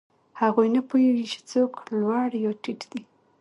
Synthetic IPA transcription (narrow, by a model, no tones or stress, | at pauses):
haɣujnapujewit͡ʃe̥t͡soklwɑɽjɑʈiʈd̪̥i